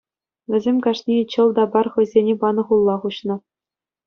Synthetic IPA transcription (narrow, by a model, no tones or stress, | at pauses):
vʲɘ̆zʲemʲkɑʂnʲet͡ɕɤ̆lˠd̪ɑbɑrχɤ̆jzʲenʲebɑnɤ̆χulˠːɑχuɕnɤ̆